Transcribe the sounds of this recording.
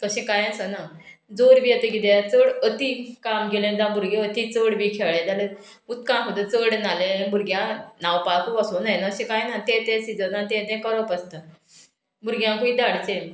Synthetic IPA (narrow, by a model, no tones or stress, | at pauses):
kəɕẽkajasənad͡zoɾbiːət̪eɡid̪eat͡səɽət̪ikamɡelẽd͡zãbuɾɡeət̪it͡səɽbiːkʰeɭẽd͡zale | ut̪̚kãɦod̪ət͡səɽnalebuɾɡjãnawpakuasunajnaəɕẽkajnat̪et̪ẽsid͡zənat̪ẽd̪ẽkəɾəpəst̪ə | muɾɡjãkuid̪aɽt͡sẽ